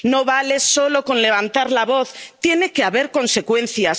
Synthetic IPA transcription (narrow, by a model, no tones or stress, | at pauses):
no̞βale̞so̞lo̞ko̞nle̞β̞ant̪aɾlaβo̞θt̪jene̞ke̞aβe̞ɾko̞nse̞kwe̞n̟θjas